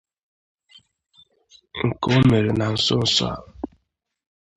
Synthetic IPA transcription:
ŋ̩˨ko˨˦me˨ɾe˨na˨n̩˦so˦n̩˨swa̰˨

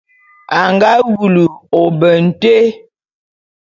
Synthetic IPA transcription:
a˨ŋɡa˦ɡu˨lu˨ɔ˨bə˨n̩˨te˦

